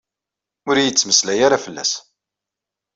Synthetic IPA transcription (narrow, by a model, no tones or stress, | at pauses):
ʊɾijət͡sːməslæjaɾafəlːæ̰s